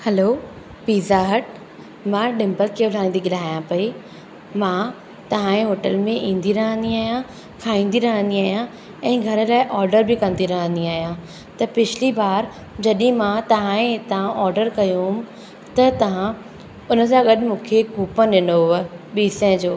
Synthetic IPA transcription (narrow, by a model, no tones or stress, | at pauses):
hɐloː | piːzaɦəʈ̚ | mãːɗɪ̃mbəlkʰeːʊl̤aːĩːn̆d̪iɠɪl̤aːjãpɐi | mã | t̪ɐʋ̤ãẽɦoːʈəlmẽʔĩːn̆d̪iɾɐɦə̃nd̪iaːɦijã | kʰaːĩːn̆d̪iɾɐɦə̃nd̪iaːɦjã | ɛ̃ːɡʱɐɾəlaːɪʔɔːɾɖəɾbikɐ̃nd̪iɾɐɦə̃nd̪iaːɦijã | t̪ɐpɪt͡ɕʰɪlibaːɾ | d͡ʑɐɗĩmãt̪ɐʋ̤ãẽt̪ɐʋãʔɔːɾɖəɾkɐjũɦʊm | t̪ɐt̪ɐʋ̤ã | ʊnə̆sãɡɐɗmũːkʰekuːpəɗɪnoɦʊəɓiːsə̃d͡ʑoː